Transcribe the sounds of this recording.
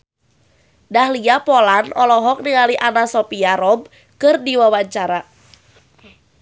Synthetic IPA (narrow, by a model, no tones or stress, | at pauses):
dahliapɔlanɔlɔɦɔk̚niŋaliʔanasɔpiaɾɔb̚ | kɨrdiwawaɲt͡ʃaɾa